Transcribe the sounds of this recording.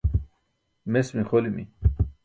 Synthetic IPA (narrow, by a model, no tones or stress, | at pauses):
mesmixolimḭ